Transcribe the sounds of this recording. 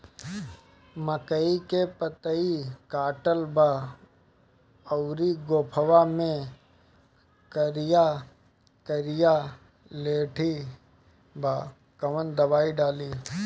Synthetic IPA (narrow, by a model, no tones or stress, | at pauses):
məkəikepət̪əikaːʈəlba | əwɾiɡoːpʰəwamẽ | kəɾɪja | kəɾɪja | leːʈʰi | bʱaː | kɐʋənd̪ɐbaːiɖaːliː